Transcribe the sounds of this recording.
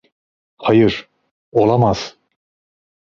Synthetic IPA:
hɑjɯɾ | olˠɑmaz̥

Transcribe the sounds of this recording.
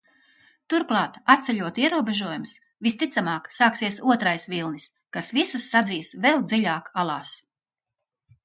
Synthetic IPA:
t̪uɾklˠɑːt̪at̪̚sʲɛʎʲuɔt̪iɛɾuɔbeʒuɔjums | vist̪it̪samɑːksaːksiɛsuɔt̪ɾajsvilˠnis | kasvisusːad̪ziːsvɛlˠd̪ziʎʲaːkalˠɑːs

